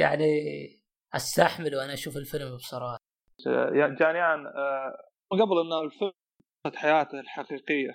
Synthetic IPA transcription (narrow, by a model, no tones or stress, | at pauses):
ja̰ʕni | ʔast̪aħmɪlwʔanaʔaʃuːfɪlfɪlmbsˤɑɾˤɑːħ | jad͡ʒaːnɪjaːn | mɪnɡabɪlʔɪnːalfɪl | at̪ħajaːt̪alħaqiːqɪjːa